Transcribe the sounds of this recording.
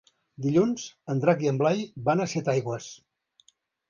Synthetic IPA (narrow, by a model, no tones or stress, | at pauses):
d̪iʎunz̥ənd̪ɾakiəmblajbanəsɛt̪ajɣwəs